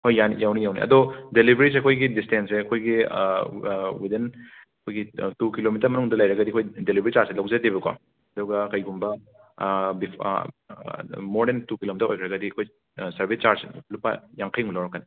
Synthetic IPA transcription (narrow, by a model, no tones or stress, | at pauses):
kʰojanjawnijawnḭʔɐ̰dodelibʱɾis̬eɐkʰojɡidistenseɐkʰojɡi | widin | ɐkʰojɡitukilomitɐɾmɐnuŋdɐlɐjɾɐɡɐdiɐkʰojdelibʱɐɾit͡ʃaɾselaw̃ŋzedibɐkwa̰ | ɐdɔɡɐkɐjɡumbɐ | bḭ | moɾdentukilomitɐɾo̰jkʰɾɐɡɐdiɐkʰoj | sɐɾbʱist͡ʃaɾslupa̰jaŋkʰɐjŋulawɾɐkːani